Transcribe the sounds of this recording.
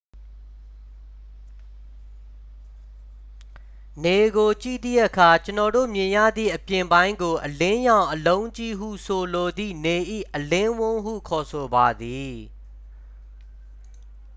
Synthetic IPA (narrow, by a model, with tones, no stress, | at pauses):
ne˨ɡo˨t͡ɕḭ˦˨d̪ðḭ˦˨ʔəkʰa˨t͡ɕənɔ˨do̰˦˨mjɪ̃˨jä̰˦˨d̪ðḭ˦˨ʔəpjɪ̃˨mbã˦ɪ̃ŋɡo˨ʔəlɪ̃˦jã˨ʊ̃ʔəlõ˦ʊ̃ɲt͡ɕi˦˨ɦṵ˦˨sʰo˨lo˨d̪ðḭ˦˨ne˨ʔḭ˦˨ʔəlɪ̃˦wʊ̃˦hṵ˦˨kʰɔ˨sʰo˨ba˨d̪i˨